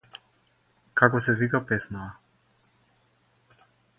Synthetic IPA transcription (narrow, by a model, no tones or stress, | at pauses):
kakɔsɛvikapɛsnaa